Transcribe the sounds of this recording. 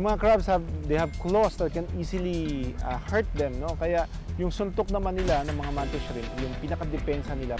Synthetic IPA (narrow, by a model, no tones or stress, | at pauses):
ʊŋmɐŋakɹabshɐvd̪ejhɐvklosd̪ɐt̪̚kɛniːsɪliʔɐhɛɹt̪̚d̪ɛmno̞kɐjaʔ | jʊŋsʊnt̪ok̚nɐmanːɪlanɐŋmɐŋamant̪ɛʃɐɾɪnjʊŋpinɐkɐd̪ɛpɛnsɐnɪla